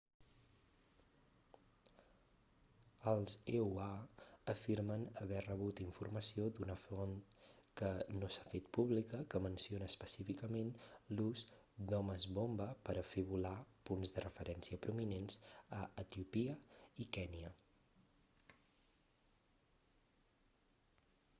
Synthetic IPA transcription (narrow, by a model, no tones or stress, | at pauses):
əlˠzeuaəfiɾmənəβɛrəβut̪iɱfurməsiod̪unəfonkənosḁfet̪̚puβlikəkəmənsionəːspəsifikəmenluz | d̪ɔməzβombəpəɾəfiβulapunzðərəfəɾɛnsiəpɾuminenzəət̪iupiəikɛniə